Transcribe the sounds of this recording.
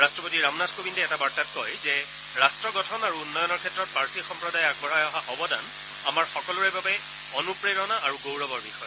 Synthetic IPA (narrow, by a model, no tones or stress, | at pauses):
ɹastɹɔpotiɹamnaskobindɛɛtabaɹtat̚kɔjzɛ | ɹastɹɔɡɔtʰɔnaɹuunːɔjɔnɔɹkʰɛtːɹɔt̚paɹsixɔmpɹɔdajaɡ̚bʱɔɹajɔɦaxɔbɔdan | amaɹxɔkɔlʊɹɛbabɛ | ɔnupɹeɹɔnaːɹuɡowɹɔbɔɹbixɔjɔ